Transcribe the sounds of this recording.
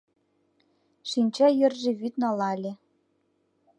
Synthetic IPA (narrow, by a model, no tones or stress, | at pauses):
ʃinʲt͡ɕɑjɘ̆rʒĕβyt̪nɑlɑlʲĕ